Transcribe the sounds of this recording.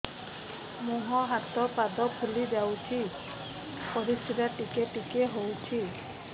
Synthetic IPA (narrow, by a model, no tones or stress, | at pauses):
muɦɔɦat̪ɔpad̪ɔkʰulid͡ʒawtʰi | pɔɾistʰitaʈikeʈikeɦowtʰi